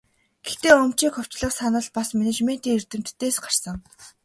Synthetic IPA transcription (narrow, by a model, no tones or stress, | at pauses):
ɡ̥ext̪eːɵm̥t͡ɕiːkχʊw̥t͡ɕɮə̆χsanə̆ːɮpasmenet͡ɕmen̥t̪iːŋert̪ɘ̆m̥t̪ːeːsɢar̥sə̆ŋ